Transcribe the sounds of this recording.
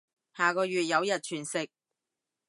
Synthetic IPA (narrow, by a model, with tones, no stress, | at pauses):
haː˨kɔː˧jɥyː˨t̚jɐ˨˧wjɐ˨t̚t͡ʃʰyː˨˩nsɪ˨k̚